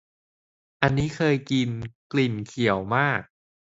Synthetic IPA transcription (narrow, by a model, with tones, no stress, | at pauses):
ʔa˧nːiː˦˥kʰɤː˧jki˧nkli˨˩nkʰi˨˩˦əwmaː˥˩k̚